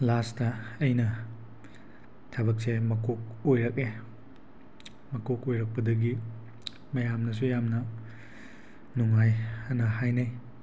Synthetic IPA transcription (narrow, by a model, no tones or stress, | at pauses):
lastɐɐjnɐ | tʰɐbɐk̚semɐkʰok̚ojɾɐke | mɐkokojɾɐk̚pɐdɐɡi | mɐjamnɐs̬ujamnɐ | nuŋajɐnɐhajnaj